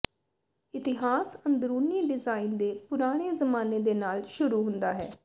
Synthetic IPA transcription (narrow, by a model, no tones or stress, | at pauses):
ɪt̪ɪɦaːsənd̪ɾuːniːɖɪzaːiːnd̪eːpʊɾaːɽ̃eːzəmaːneːd̪eːnaːlʃʊɾuːɦʊ̃nd̪aːɦɛ̰ː